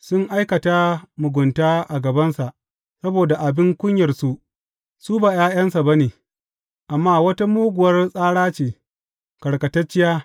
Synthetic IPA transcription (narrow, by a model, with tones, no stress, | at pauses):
sʊ˦ŋʔa˦jkɐ˨taː˦mʊ˨ɡʷʊ˨ntaː˦ʔa˨ɡɐ˨bɐ˦nsa˨ʔ | sɐ˦boː˨da˨ʔa˨bɪ˦ŋkʷʊ˦ɲjɐ˨rsu˦ʔ | su˦baː˨jaː˦jɐ˦nsa˨ba˦neː˨ | ʔa˨mːaː˦wɐ˦ta˦muː˦ɡʷʊ˨wɐ˦rsʼaː˦ɽaː˦t͡ʃeː˨ | kɐ˨ɽkɐ˨tɐ˦t͡ʃːɪ˦jaː˦